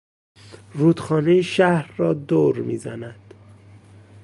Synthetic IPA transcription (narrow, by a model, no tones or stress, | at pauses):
ruːd̪̥xɒːnejeʃæhɾːɒːd̪oːɾmḭːzæ̰næd̪̥